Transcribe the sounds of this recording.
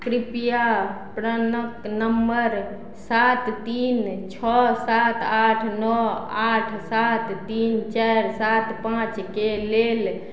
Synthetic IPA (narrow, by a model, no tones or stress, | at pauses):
kɾipija | pɾənəknəmbəɾ | sat̪t̪int͡ʃʰɔsat̪aʈʰnɔaʈʰsat̪t̪int͡ʃaɾsat̪pãt͡ʃkelel